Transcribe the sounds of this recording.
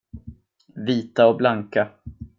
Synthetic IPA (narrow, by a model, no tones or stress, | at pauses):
viːt̪aɔblaŋka